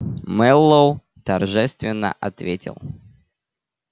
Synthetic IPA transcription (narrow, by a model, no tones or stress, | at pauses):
mɛlˠːow | t̪ɐrʐɛst̪vʲɪnːə̰ʔɐt̪vʲetʲɪ̰lˠ